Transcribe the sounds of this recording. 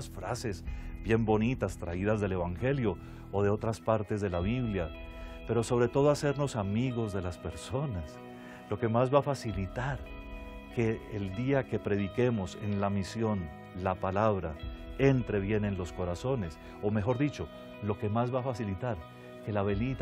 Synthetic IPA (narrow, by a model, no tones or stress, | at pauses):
sfɾa̰se̞zbje̞mbo̞nit̪ast̪ɾaiðazðe̞le̞βaŋxe̞ljo̞ː | ðe̞o̞t̪ɾaspaɾt̪e̞zðe̞laβiβlja | pe̞ɾo̞so̞β̞ɾe̞t̪o̞ð̞oase̞ɾno̞samiɣo̞zðe̞laspe̞ɾso̞nas | lo̞ke̞mazβafasilit̪aɾ | ke̞ːld̪iake̞pɾe̞ð̞ike̞mo̞se̞̰nlamisjo̞n | lapalaβɾae̞nt̪ɾe̞βje̞ne̞nlo̞sko̞ɾaso̞ne̞s | ome̞xo̞ɾðit͡ʃo̞ | lo̞ke̞mazβafasilit̪aɾ | ke̞laβe̞nit̪